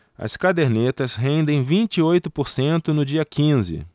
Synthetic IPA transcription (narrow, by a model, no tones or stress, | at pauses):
ɐ̰skad̪eɾnet̪ɐsɦẽnd̪ẽj̃vĩnt͡ʃiojt̪ʊpoɾsẽnt̪ʊnʊd͡ʒiɐkĩzɪ̰